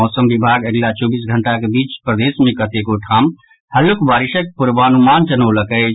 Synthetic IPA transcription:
ɔsəmbibʱaɡeɡlat͡ʃɔbis̬ɡʱəɳʈakebit͡ʃpɾəd̪esmẽkət̪ekoʈʰam | həlokbaɾiʃək̚puɾʋanumant͡ʃənəwləkə

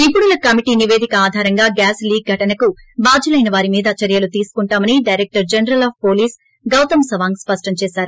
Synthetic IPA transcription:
ipːuɽulɐkɐmiʈiːniʋe̞ːd̪ʱikɐaːd̪ʱaːɾɐŋɡaːɡaːsliːɡ̚ɡʱɐʈɐnɐku | baːd͡ʒʱulɐjnɐʋaːɾimiːd̪ɐt͡ʃɐɾjɐlut̪iːsu̥kuɳʈaːmɐniɖɐjɾek̚ʈɐɾd͡ʒɐnɐɾɐlaːp̚ʰpoːliːs | ɡɐwt̪ɐmsɐʋaːŋɡspɐʂʈɐmt͡ʃɛːsaːɾu

